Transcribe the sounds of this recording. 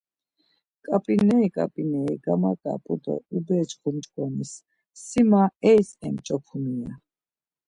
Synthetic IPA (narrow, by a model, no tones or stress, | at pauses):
kʼapʼinɛikʼa̰pʼinɛiɡamakʼa̰pʼud̪ɔ̰ubɛːt͡ʃχunt͡ʃʼkʼɔnisː | imaɛsɛmt͡ʃʼɔpʰunia